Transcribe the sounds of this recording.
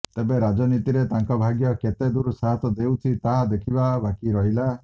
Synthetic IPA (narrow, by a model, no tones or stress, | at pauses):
t̪ebeɾad͡ʒɔnit̪iɾet̪aŋkɔbʱaɡjɔket̪ed̪uɾusaɦat̪ɔd̪ewt͡ʃʰit̪aɦad̪ekʰibabakiɾɔɦila